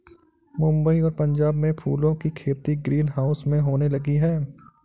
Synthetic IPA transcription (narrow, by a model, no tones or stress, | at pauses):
mʊ̃mbəiɔːɾpɐ̃ɲd͡ʒaːbmẽpʰṵːlõkikʰeːt̪iɡɾiːnɦaːʊsmẽɦoːnelɐɡiɦɛː